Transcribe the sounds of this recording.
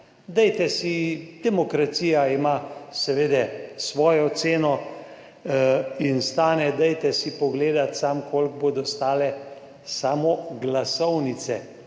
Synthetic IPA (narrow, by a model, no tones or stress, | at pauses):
d̪ɛjt̪ɛsid̪̥ɛmɔkɾat̪siːjaimasɛʋeːd̪ɛsʋɔːjɔt̪seːnɔ | inst̪aːnɛd̪ɛjt̪ɛsipɔɡleːd̪at̪samkʰoːlɡ̚boːd̪ɔst̪aːlɛ | saːmɔɡlasɔwnit̪sɛ